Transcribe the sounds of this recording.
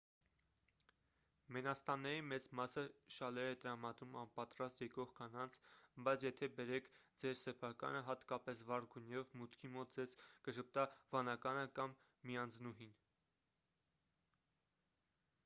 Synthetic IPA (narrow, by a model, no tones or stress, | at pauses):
mɛnɑst̪ɑnːɛɾimɛt͡smɑsəʃɑlɛɾɛt̪əɾɑmɑd̪ɾumɑnpɑt̪ɾɑst̪jɛkɔʁkʰɑnɑnt͡sʰbɑjt͡sʰjɛt̪ʰɛbɛɾɛkʰd͡zɛɾsɛpʰɑkɑ̰nəɦɑt̪kɑpɛsvɑrɡunjɛvmut̪kʰimɔt̪̚d͡zɛzkəʃəp̚t̪ɑvɑnɑkɑnəkɑmː | iɑnd͡znuɦin